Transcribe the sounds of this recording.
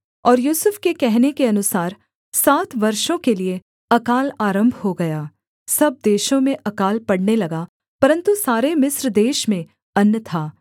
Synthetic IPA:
ɔːɾjuːsʊfkekɛɦnekeɐnʊsaːɾ | saːt̪ʰʋɐɾʃõkelie | ɐkaːlaːɾə̃mbʱɦoɡɐjaː | sɐb̚d̪eːʃõmẽʔɐkaːlpɐɽnelɐɡaː | pɐɾə̃nt̪usaːɾemɪsɾd̪eːʃmẽ | ɐnjət̪ʰaː

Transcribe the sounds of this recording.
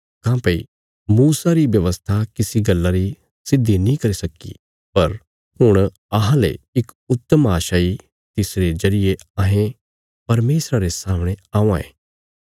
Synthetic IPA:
kãːpeḭ | muːsaɾiʋjɐʋəst̪ʰakɪsiɡɐlːaɾi | sɪd̪ʱːinĩkɐɾisɐkːḭ | pɐɾ | hʊɽ̃ | ɐɦãlḛɪk | ʊt̪ːəmaːʃaːi | t̪ɪsɾezɐɾɪjeãɦẽ | pɐɾmeːsɾaɾesaːməɽ̃eaːũãḛ̃ː

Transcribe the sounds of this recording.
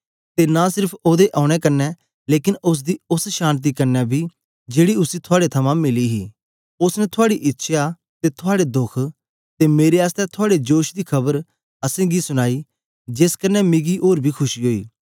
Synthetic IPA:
t̪enasɪɾpʰoːd̪eʔaːʊɽ̃ɛkɐɾnːɛ | leːkɪnʊs̬d̪iːʊsʃaːnt̪̬iːkɐɾnɛbʱiː | d͡ʒeːɽiʊsit̪ʰʊaːɽet̪ʰəmãmɪliːɦḭː | ʊsnɛt̪ʰʊaːɽiʔɪtːʃʰja | t̪et̪ʰʊaːɽed̪ʊkʰ | t̪emeːɾeaːst̪ɛt̪ʰʊaːɽed͡ʒoːʃd̪iːkʰɐbəɾ | əsẽːɡisʊñaːi | d͡ʒeskənːɛmɪɡiːʔoːɾbʱiːkʰʊʃiɦoːḭː

